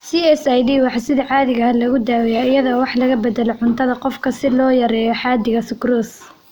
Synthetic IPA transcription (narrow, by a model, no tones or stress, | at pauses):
siɛsajdiːwɑħɑsɪðɐʕɑːðɪɣaːlɐɣʊd̪aːwɛjaɪjɐðɔːwɑħlɐɣɐbɛd̪ɛlɔʕʊnt̪ʰɐðɐqɔfkʰɐsɪlɔːjɐɾɛːjɔħɑːd̪ɪɣɐsɪɡɾuːs